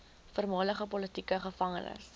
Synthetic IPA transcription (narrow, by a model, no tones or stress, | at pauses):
fərmɑːləχəpɔlətikəχəfɐŋənə̰s